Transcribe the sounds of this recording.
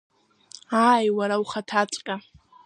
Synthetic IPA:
aːjwaɾawχatʰat͡sʷʼkʲʼa

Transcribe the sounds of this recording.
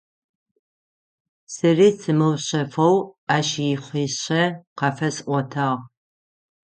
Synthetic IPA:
sɨriːt͡sʰɨmɨwɕɐfɐwaːʃijɪχʷiːɕɐqɑfɐsʔʷɔtʰaːʁ

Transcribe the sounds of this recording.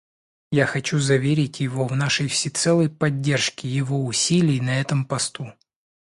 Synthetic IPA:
jaxɐt͡ɕuzɐvʲeɾʲɪtʲjɪvo̞vnaʂəjfsʲɪt̪sɛlˠəjpɐdʲːe̞rʂkʲɪjɪvoʊsʲilʲɪjnɐɛt̪əmpɐst̪u

